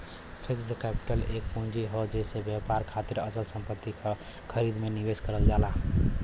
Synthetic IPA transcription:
pʰiksd̪əkɛpi̥ʈəlek̚pũnd͡ʒiɦod͡ʒesebjapaɾkʰat̪iɾət͡ʃəlsəmpət̪ːikʰə | kʰəɾid̪meniʋeskəɾəld͡ʒala

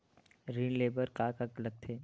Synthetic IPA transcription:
ɾiːnleːbəɾkaːkɐkləɡ̚t̪ʰeː

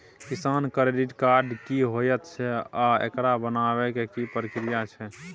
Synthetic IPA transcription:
kisankɾeɖiʈkaɾɖkiɦojət̪t͡ʃʰɛaḛkɾabənaβɛkekipɾikɾijat͡ʃʰɛ

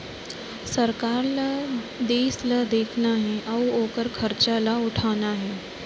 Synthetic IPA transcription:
səɾkaːɾla | d̪eːslad̪eːkʰnaɦeʔɐwoːkəɾkʰəɾt͡ɕalaʊʈʰanaɦe

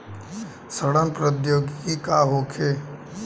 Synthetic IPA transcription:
səɽənpɾəd̪joːɡkikaɦoːkʰeː

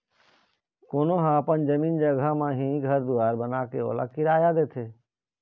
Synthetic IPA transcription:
koːnoɦãəpənd͡ʒəmiːnd͡ʒəɡʱamãɦĩɡʱəɾd̪uaːɾbənaːkeo̰ːla̰kɪɾaːjad̪eːt̪ʰeː

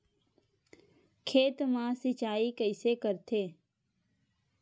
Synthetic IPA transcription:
kʰeːt̪mãsɪt͡ʃaːikəɪsekəɾt̪ʰeː

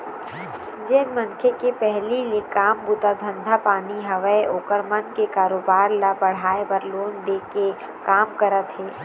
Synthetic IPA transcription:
d͡ʒeːnmənkʰekepɛɦlilekaːmbut̪ad̪ʱə̃nd̪ʱapaːniɦɐʋəeoːkəɾmɐnkekaːɾoːbaːɾlabɐɽ̤aːepəɾloːnd̪eːke | kaːmkəɾət̪ɦɛː

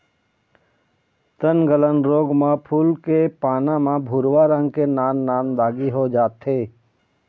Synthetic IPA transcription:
t̪ənɡələnɾoːɡmãpʰuːlkepaːnãmãbʱuːɾʋaɾə̃ŋɡkenaːnːaːnd̪aːɡiɦod͡ʒaːt̪ɦeː

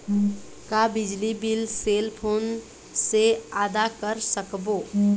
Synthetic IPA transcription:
kabɪd͡ʒlibilselpʰoːn | seaːd̪akəɾsəkbo

